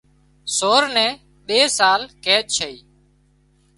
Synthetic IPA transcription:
soːɾnɛ̃ː | ɓeːsaːlkeːɗ̚t͡ʃʰəiː

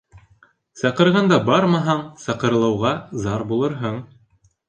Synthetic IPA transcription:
sɑqɤ̆ɾʁɑnd̪ɑbɑɾmɑɦɑɴsɑqɤ̆ɾlˠɑwʁɑzɑɾbulˠɤ̆ɾɦɤɴ

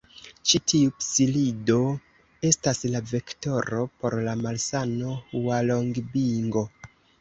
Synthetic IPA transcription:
t͡ʃitʰiupsilido̞ | e̞staslave̞kto̞ɾo̞po̞ɾlamalsano̞uwaloŋɡbiŋɡo̞

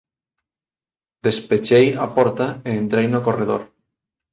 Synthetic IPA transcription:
d̪espet͡ʃejapɔɾt̪aeːnt̪ɾejnokoreð̞oɾ

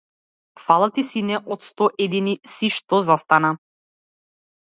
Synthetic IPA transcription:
falˠat̪isinɛʔɔt̪st̪ɔʔɛd̪inisiʃt̪ɔzast̪ana

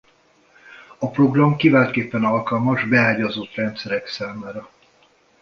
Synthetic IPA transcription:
ɒproɡrɒmkivaːlt̪keːpːɛnɒlkɒlmɒʒbɛaːɟɒzot̪rɛnt̪sɛɾɛksaːmaːɾɒ

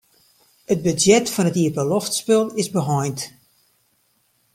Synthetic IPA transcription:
ət̚bøzjɛtfɔnətiəpəloftspølˠɪzbəɦɔjnt

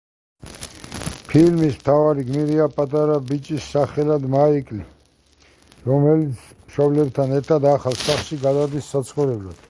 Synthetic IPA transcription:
pʰilmismt̪ʰavaɾiɡmiɾiapʼat̪ʼaɾabit͡ʃʼisːaχɛlad̪maikʼli | ɾɔmɛlit̪sʰmʃɔblɛb̚t̪ʰanɛɾt̪ʰad̪aχalsaχʃiɡad̪ad̪isːat̪sʰχɔɾɛblad̪̥

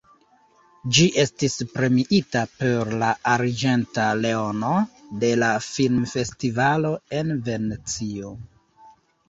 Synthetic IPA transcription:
d͡ʒiʔe̞stispɾe̞miʔitape̞ɾlaaɾd͡ʒe̞ntale̞ono̞de̞lafilmfe̞stivalo̞e̞nve̞net͡sio

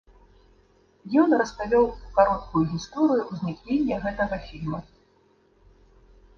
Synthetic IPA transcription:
jɔnrɐspavʲɔwukaɾɔt̪̚kujuɣʲist̪ɔɾɨjuwzʲnʲiknʲenʲːɐɣɛt̪ɐɣɐfʲilʲmɐ

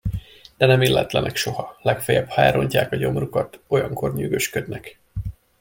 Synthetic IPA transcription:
d̪̥ɛnɛmiːlːɛ̰t̪lɛnɛkʃo̞hɒlɛkfɛjɛbhaːjɾo̞ɲcaːkɒɟo̞mrukɒt̪o̞jɒŋkʰo̞rɲyɡø̞ʃkød̪nɛk

